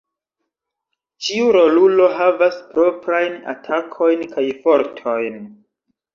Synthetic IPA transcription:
t͡ʃiuɾo̞lulo̞ɦavaspɾo̞pɾajna̰tʰakʰo̞jnkajfo̞ɾtʰo̞jn

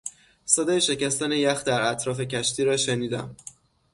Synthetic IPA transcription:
sɒːd̪ɒːjeʃe̞cæst̪æne̞jæxd̪æɾæt̪ʰɾɒːfe̞cʰæʃt̪iːɾɒːʃeniːd̪æ̰m

